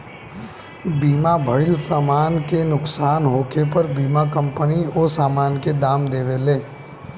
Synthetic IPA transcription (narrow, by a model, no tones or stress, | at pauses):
biːmabʱəɪlsaːmaːnkenʊksaːnɦoːkʰepəɾbiːmakə̃mpənioːsaːmaːnked̪aːmd̪eːʋeleː